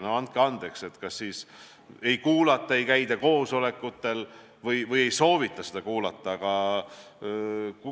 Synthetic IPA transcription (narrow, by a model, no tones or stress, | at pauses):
neɑnt̪̚keɑnd̪̥e̞kse̞t̪kɑsːiːs | e̞jkuːlɑt̪ːˑɑe̞jkæjd̪ɑko̞ːso̞le̞kːˑut̪ːe̞l | vɤjvɤje̞jso̞ːvit̪ːˑɑsed̪̥ɑkuːlɑt̪ːˑɑːɡ̥ɑ